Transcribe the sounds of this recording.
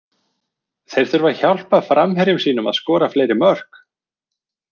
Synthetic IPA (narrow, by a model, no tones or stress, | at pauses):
θejɾ̥θʏɾvaɾ̥çawl̥paðfɾamɦɛɾjʏmsiːnʏma̰ðskɔːɾafleːjɾɪmœr̥k